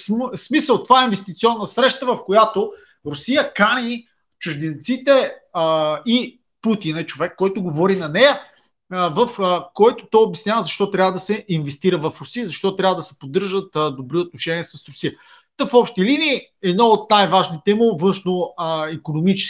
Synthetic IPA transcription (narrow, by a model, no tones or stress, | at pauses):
ssmisəlˠt̪ovaɛinvɛst̪it̪siɔnːəsɾɛʃt̪əvɐfkojat̪o | ɾʊsijəkanʲi | t͡ʃʊʒd̪int̪sit̪ɛ | i | put̪inɛt͡ʃovɛkːɔjt̪ʊɡovɔɾinɐnɛjə | vɐfkɔjt̪o̥t̪ɔjobjɛsnʲavəzɐʃt̪ɔt̪ɾʲavəd̪ɐsɛʔinvɛst̪iɾəvɐfɾʊsijəzɐʃt̪ɔt̪ɾʲavəd̪ɐsɛ̥pod̪ːɤɾʒət̪d̪obɾiot̪noʃɛniɛsɐsɾʊsijə | t̪əfɔpʃt̪iliniː | ɛd̪noot̪̚najvaʒnit̪ɛmovɤnʃnoəikonomit͡ʃɛ̥